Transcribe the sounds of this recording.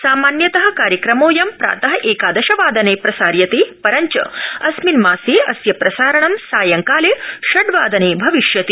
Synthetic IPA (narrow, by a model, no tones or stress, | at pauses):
saːmaːnjɐt̪ɐɦɐ̆kaːɾjɐkɾɐmoːjɐmpɾa̰ːt̪ɐɦɐʔeːkaːd̪ɐʃɐʋaːd̪ɐneːpɾɐsaːɾjɐt̪eːpɐɾɐɲt͡ʃɐ̰ɐsminmaːseːʔɐsjɐpɾɐsaːɾɐɳɐmsaːjɐŋkaːleʃɐɖʋaːd̪ɐneːbʱɐʋiʃjɐt̪i